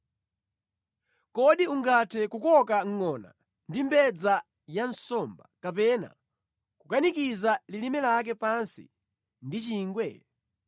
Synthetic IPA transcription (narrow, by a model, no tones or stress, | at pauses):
kɔɗiuŋɡatʰɛkukɔkaŋ̩ŋɔna̰ | ndimbɛd͡za | jansɔmbakap̬ɛna̰ | kukanikizalilimɛlak̬ɛpansḭ | ndit͡ʃiːŋɡwɛ̰